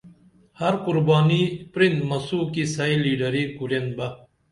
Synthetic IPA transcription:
hɐɾkuɾbaːnipɾint̪mɐsuːkisɐiliːɖɐɾikuɾenbɐ

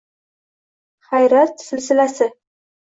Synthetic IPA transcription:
χajɾat̪ːsɪlsɪlasɪ

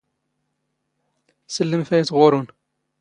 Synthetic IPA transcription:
səlːəmfæjət͡sːʁʊɾˤʊn

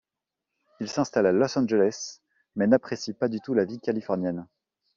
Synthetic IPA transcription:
ilsɛ̃st̪alalɔsɑ̃nʒelɛs | mɛnapχesjipad̪yt̪ulavikalifɔʁnjɛn

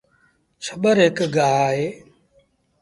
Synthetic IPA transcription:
t͡ʃʰəɓəɾɦɪkɡaːɦaːɦeː

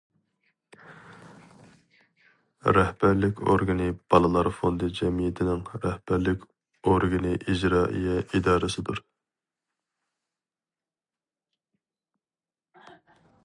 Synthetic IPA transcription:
ɾɛhbæɾlɪkʲo̰ɾɡɨnɨb̥ɑlˠɨlˠɑɾfond̪ɨd͡ʒɛmijet̪ʰɪnɪŋɾɛhb̥æɾlɪkʲ | oɾɡɨnɨʔid͡ʒɾɑːʔḭjɛʔid̪ɑːɾɨsɨd̪uɾ

